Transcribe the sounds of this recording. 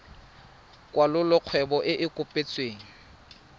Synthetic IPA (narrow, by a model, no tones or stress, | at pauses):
kʼwalʊlʊq͡χʰwɛbɔʔɪʔɪkʼʊpʼet͡sʼweːŋ̩